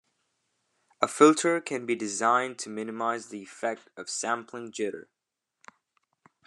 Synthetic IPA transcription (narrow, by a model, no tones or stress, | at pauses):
əfɪlˠtʰə˞kʰɨ̃nbidɨzãɪ̃ntʰɨmɪ̃nɨmaɪzðiɨfɛk̚tʌv̥sæ̃mpʰlɪ̃ŋd͡ʒɪɾə̰˞